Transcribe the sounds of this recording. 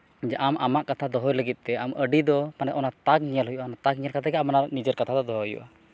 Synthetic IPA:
iɲd͡ʒaʔamamaʔkat̪ʰad̪ɔɦɔjləɡit̪̚ˀt̪ɛaməɖid̪ɔpanɛt̪ʔɔnat̪ak̚ɲiəlɦujuʔaɔnat̪aɡ̚ɲiɲəlkat̪ʰakɛamananid͡ʒəɾkat̪ʰad̪ɔd̪ɔɦɔjṵʔa

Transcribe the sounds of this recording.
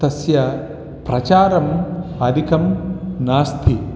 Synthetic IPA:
t̪ɐsjɐ | pɾɐt͡ʃaːɾɐmɐd̪ʱikɐmnaːst̪ʰi

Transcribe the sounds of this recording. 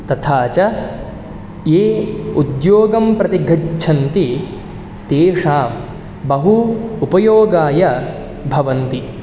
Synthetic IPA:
t̪ɐt̪ʰaːt͡ʃɐ | eːud̪joːɡɐmpɾɐt̪iɡʱɐt͡ʃʰɐnt̪i | t̪eːʂaːm | bɐɦuːpɐjoːɡaːjɐ | bʱɐʋɐnt̪i

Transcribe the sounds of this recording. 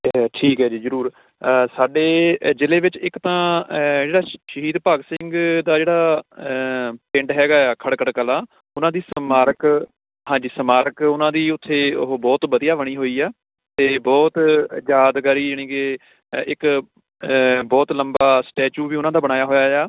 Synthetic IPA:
ʈʰiːkɦɛːd͡ʒiːzəɾuːɾ | saːɖeːd͡ʒɪleːʋɪt͡ʃɪkt̪ãːd͡ʒeːɽaːʃəɦiːd̪paːɡsɪ̃ŋɡd̪aːd͡ʒeːɽaː | pɪ̃ɳɖɦɛːɡaːaːkʰəɽkəɽkəlãː | ʊnãːd̪iːsəmaːɾək | ɦãːd͡ʒiːsəmaːɾəkʊnãːd̪iːʊt̪ʰːeːɦbɔːt̪bəd̪ijaːʋəɽ̃iːɦoːiːaː | t̪eːbɔːt̪d͡ʒjaːd̪ɡaːɾiːd͡ʒəɳ̃iːkeː | ɪk | bɔːt̪ləmbaːsʈɛːt͡ʃuːʋiːʊnãːd̪aːbəɽ̃aːjaːɦoːjaːaː

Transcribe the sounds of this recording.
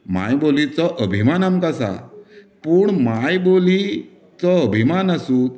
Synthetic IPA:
ma̰jbolit͡sɔʔəbʱimanamkasa̰ | puːɳmajboli | t͡sɔəbʱimanasuːt̪

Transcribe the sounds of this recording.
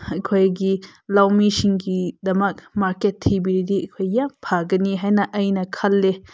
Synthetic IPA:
ɐjkʰojɡilɐwmisiŋɡid̪ɐmɐk̚maɾketʰːibiɾidiɐjkʰojːapʰaɡɐniɦajnɐʔɐjnɐkʰɐlːe

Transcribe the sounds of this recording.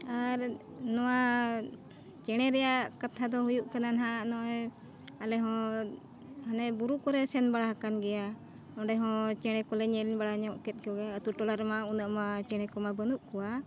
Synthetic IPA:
aɾ | nɔwa | t͡ʃɛɽ̃ɛɾɛjaʔkat̪ʰad̪ɔhujuʔkananɦanɔj | alɛɦɔ̃ | hanɛbuɾukɔɾɛsɛnbaɽaɦakanɡɛja | ɔ̃ɖɛɦɔ̃t͡ʃɛɽ̃ɛkɔlɛɲɛliɲbaɽaɲaʔkɛt̪̚ˀkɔɡɛət̪uʈɔlaɾmaunəʔmat͡ʃɛɽ̃ɛkɔmabənuʔkɔwa

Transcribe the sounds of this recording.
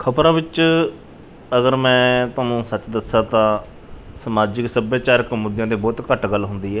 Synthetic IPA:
kʰəpɾãːbɪt͡ʃ | əɡəɾmɛ̃ːt̪ʊaːnũːsət͡ʃd̪əsaːt̪ãː | səmaːd͡ʒɪksəbjaːt͡ʃaːɾəkmʊd̪jãːd̪iːbɔːt̪kəʈɡəlːɦʊnd̪iːɛː

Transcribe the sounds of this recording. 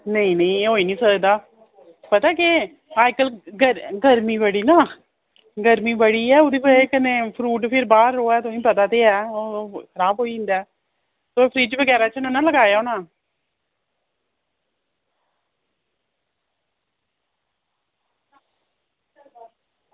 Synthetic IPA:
nəĩːnə̃ĩːeoːiːnĩːsəd̪aː | pət̪aːkɪ | aːjkəlɡəɡəɾmiːbəɽiːnaː | ɡəɾmiːbəɽiːɛːʊd̪iːpəekənẽːpʰɾuːʈpʰɪɾbaːɾːoːɛːt̪oĩːpət̪aːt̪eːɛːoːkʰəɾaːbɦoːiːɪ̃nd̪aː | t̪oːpʰɾiːd͡ʒʋəɡɛːɾaːt͡ʃənʊnãːləɡaːjaːonãː

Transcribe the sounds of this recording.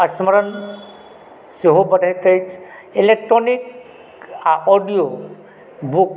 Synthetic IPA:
əsməɾən | seɦobəɖʱajt̪əjt͡ʃʰ | elek̚ʈɾonik | aʔɔɖijo | buk

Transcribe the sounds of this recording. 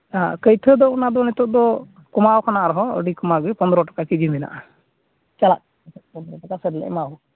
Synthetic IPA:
ãkəjt̪ʰəd̪ɔunad̪ɔnɛt̪ɔʔ̚d̪ɔ | kɔmawkʰanaʔɾɔɦɔ̃ə̰ɖikɔmawɡɛpɔnd̪ɾɔʈḁkakid͡ʒimɛna̰ʔa | t͡ʃala̰ʔ | tɛpɔnd̪ɔɾɔʈakasəɾlɛ̰ʔmaw

